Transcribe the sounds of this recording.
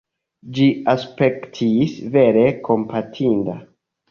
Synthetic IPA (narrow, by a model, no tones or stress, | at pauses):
d͡ʒiaspektʰisve̞ɾe̞kʰo̞mpʰatʰinda